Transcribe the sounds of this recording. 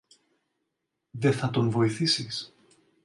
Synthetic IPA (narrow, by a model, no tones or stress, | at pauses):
ðe̞θɐt̪o̞nvo̞iθisis